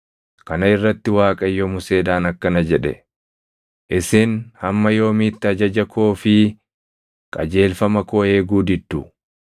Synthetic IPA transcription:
kɐnɐɪrːɐt̪ːɪwaːkʼɐjːɔmʊse̞ːd̪aːnɐkːɐnɐd͡ʒɛᶑɛ̰ | ʔɪsɪnhɐmːɐjo̞ːmiːt̪ːɪɐd͡ʒɐd͡ʒɐkʰoːfɪ | kʼɐd͡ʒe̞ːlfɐmɐkoːe̞ːɡuːd̪ɪd̪ːʊ

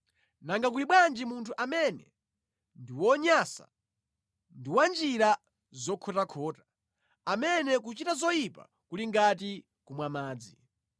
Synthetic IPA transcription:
naŋɡak̬uliɓwand͡ʒimuntʰuʔamɛnɛ̰ | ndiwɔɲasa̰ | ndiwand͡ʒiɾa | zɔkʰɔtakʰɔːtḁ | amɛnɛk̬ut͡ʃitazɔjipa̰ | kuliŋɡat̬i | kumwamaːd͡zi

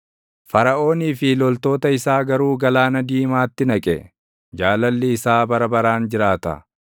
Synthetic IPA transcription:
fɐɾɐʔo̞ːniːfɪlɔlt̪o̞ːt̪ɐɪsaːɡɐɾuːɡɐlaːnɐd̪iːmaːt̪ːɪnɐkʼɛ̰ | d͡ʒaːlɐlːɪːsaːbɐɾɐbɐɾaːnd͡ʒɪɾaːt̪ɐ̰

